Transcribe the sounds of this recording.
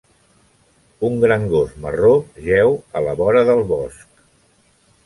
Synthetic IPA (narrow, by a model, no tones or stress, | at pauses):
uŋɡɾaŋɡosməroʒɛwələβɔɾəðəlˠβɔsk̚